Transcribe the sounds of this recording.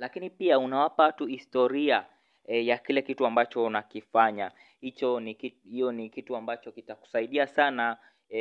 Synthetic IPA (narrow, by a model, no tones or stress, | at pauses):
lakinipiaunawapaatuhistɔɾia | jakilɛkituambat͡ʃɔnakifaɲa | hit͡ʃɔnikihijɔnikituambat͡ʃɔkitaku̥saiɗiasana